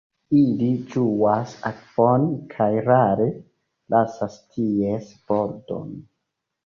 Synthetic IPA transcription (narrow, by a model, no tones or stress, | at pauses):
ilid͡ʒuasakvonkʰajɾaɾe̞ | lʔasastʰiesboɾdo̰n